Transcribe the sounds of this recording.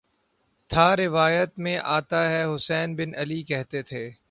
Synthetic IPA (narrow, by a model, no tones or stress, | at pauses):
t̪ʰaːɾɪʋaːjət̪mẽʔaːt̪aɦɛɦʊsɛːnbɪnɐlikɛɦt̪et̪ʰeː